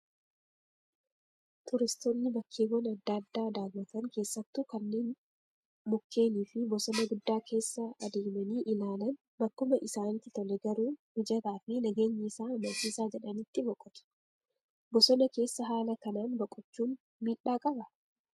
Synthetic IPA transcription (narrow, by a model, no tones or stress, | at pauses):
t̪ʊɾɪst̪ɔnːɪbɐkʰːeːɡɔnɐd̪ːad̪ːaːd̪aːlwɐt̪ɐŋke̞ːsːɐt̪ːʊkɐnːe̞ːn | mʊkʰːe̞ːniːfɪbɔsɔnɐɡʊd̪ːaːkʰe̞ːsːɐɐd̪eːmɐniːʔɪlaːlɐn | bɐkːʊmɐʔɪsaːnt̪ːɪt̪ɔlɛɡɐɾuːmɪd͡ʒɐt̪aːfɪnɐɡe̞ːɲːɪsaːɐmɐt͡ʃiːsaːd͡ʒɛᶑɐnit̪ːɪbɔkʼːɔt̪ɐ̥ | bɔsɔnɐke̞ːsːɐɦaːlɐkɐnaːnbɐkʼːʊt͡ʃːuːn | miːᶑaːkʼɐbɐ